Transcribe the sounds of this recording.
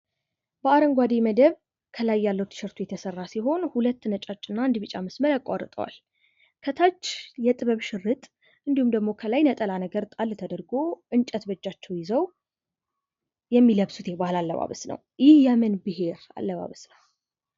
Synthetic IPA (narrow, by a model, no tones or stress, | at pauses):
bəaɾəŋɡʷad̪eməd̪əβ | kʰəlajːalːəwt̪ʰɨ̥ʃɨɾt̪ʰujɛt̪ʰəsərːasiɦo̞nhulət̪ːnət͡ʃʼat͡ʃʼːɨnːaɨnd̪iβɨt͡ʃʼaməsməɾakʼːaɾt̪ʼəwa̰l | kʰət̪ʰat͡ʃːjɛt̪ʼɨβəβʃɨrːɨt̪ʼ | ɨnd̪ihumd̪əɡmokʰəlajnət̪ʼəlanəɡəɾt̪ʼalːt̪ʰəd̪əɾɡoʔɨnt͡ʃʼət̪bət͡ʃːat͡ʃːɛwjɪzəw | jɛmːiləβsut̪jɛbahlalːəβa̰βə̰snə̰w | jɪhjɛmɨnbɨɦe̞ɾa̰lːəβa̰βəsnəw